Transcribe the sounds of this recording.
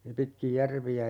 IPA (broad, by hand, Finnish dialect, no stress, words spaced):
pitkij jærʋiæ